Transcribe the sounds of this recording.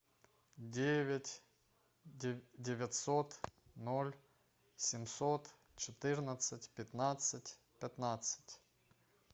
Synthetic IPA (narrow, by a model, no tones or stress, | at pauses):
dʲevʲɪtʲ | dʲɪvʲɪt̪ʲsot̪nolʲ | sʲɪmsot̪ | t͡ɕɪt̪ɨrnət̪sɨtʲpʲɪt̪nat̪sɨtʲ | pʲɪt̪nat̪sə̥tʲ